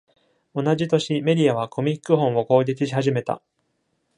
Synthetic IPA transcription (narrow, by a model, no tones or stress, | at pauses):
o̞naʑit̪o̞ɕime̞ɾʲijaβakʰo̞mʲikːɯ̟ɦõ̞ɰ̃o̞ko̞ːɡʲikʲiɕihaʑime̞t̪a̰